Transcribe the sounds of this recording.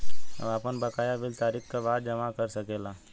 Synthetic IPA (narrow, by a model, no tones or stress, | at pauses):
ɐ̰aːpənbɐkaːjaʋɪlt̪aːɾikkabaːd̪̚d͡ʒɐmakɐɾsɐkeːlaː